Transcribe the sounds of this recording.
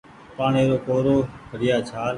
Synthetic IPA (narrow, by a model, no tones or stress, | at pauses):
paːɳeːɾoːkoːɾoːbʱəɽɪjaːt͡ʃʰaːl